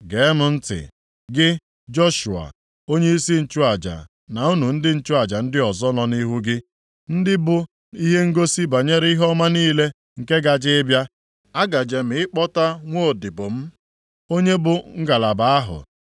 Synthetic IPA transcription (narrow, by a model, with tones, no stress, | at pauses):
ɡe˨˦mʊ˨n̩˦tɪ̰˨ | ɡɪ˦ | d͡ʒɔ˦ʃṵ˨a̰˨ | o˦ɲe˦i˦si˦n̩˨t͡ʃu˦a˨d͡ʒa̰˨ | na˨u˦nu˨n̩˦dɪ˦n̩˦t͡ʃʊ˦a˨d͡ʒa˨n̩˦dɪ˦ɔ˨zɔ˦nɔ˨ni˦ɦu˦ɡɪ˦ | n̩˦dɪ˦bʊ˦ | i˦ɦe˦ŋ̩˦ɡo˦si˦ba˨ɲe˦ɾi˦ɦɔ˦ma˦niː˦le˦ | ŋ̩˨ke˦ɡa˨d͡ʒɪ˦ɪ˦bja˦ | a˦ɡa˨d͡ʒe˨m̩˨˦ɪ˦k͡pɔ˦ta˦ŋʷo˦˨dɪ˨bʊ˨m̩˦ | o˦ɲe˦bʊ˨ŋ̩˦ɡa˨la˨ba˨a˦ɦʊ̰˨